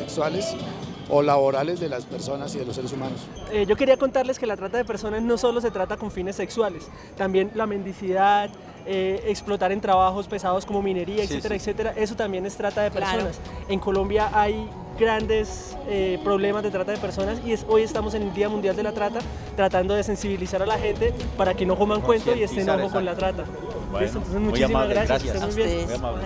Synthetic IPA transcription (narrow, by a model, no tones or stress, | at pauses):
ekswalesolaβoɾale̞zd̪elaspeɾso̞nasiðelosːeɾesumanos | ed͡ʒo̞ke̞ɾiako̞nt̪aɾle̞ske̞lat̪ɾat̪aðe̞pe̞ɾso̞nazno̞so̞lo̞s̬e̞t̪ɾat̪ako̞ɱfine̞sːekswale̞s | t̪ambje̞nlame̞nd̪isiðað | eeksplo̞t̪aɾe̞nt̪ɾaβaxo̞spe̞sað̞osko̞mo̞mine̞ɾiaekset̪eɾaekse̞t̪e̞ɾaʔe̞s̬ot̪ambje̞nest̪ɾat̪aðe̞peso̞nase̞ŋko̞lo̞mbjaʔaj | ɡɾand̪e̞s | epɾo̞βle̞mazdet̪ɾat̪aðepe̞ɾso̞nasieso̞je̞st̪amo̞se̞neld̪iamund̪jald̪e̞lat̪ɾat̪a | t̪ɾat̪and̪o̞ðe̞se̞nsiβilisaɾalaxe̞nt̪e̞paɾake̞no̞komaŋkwe̞nt̪oie̞st̪enoxokonlat̪ɾat̪a | et̪ont̪ons̬ezmut͡ʃisimazɣɾasjaseemujβjen